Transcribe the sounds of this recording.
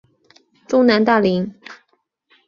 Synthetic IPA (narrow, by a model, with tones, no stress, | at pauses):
ʈ͡ʂʊ˥ŋna˧˥nt̪a˥˩li˧˥ŋ